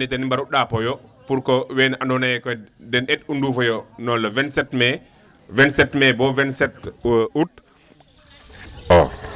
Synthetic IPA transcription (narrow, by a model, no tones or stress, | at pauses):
nitɛnimbaɾuɗapɔjɔpuɾkɔwɛnaʔandɔnajɛkɔdɛnɛtundufɔjɔnɔlːɔvɛnsɛtmɛ | vɛnsɛtmɛbɔvɛnsɛtwəʔut | ɔ